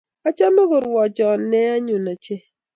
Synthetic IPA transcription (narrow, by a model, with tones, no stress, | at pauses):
a˦t͡ʃa˦mo˦ɣo˨ɾwɔ˨d͡ʒɔ˨ne˦a˦ɲu˨na˨t͡ʃe˦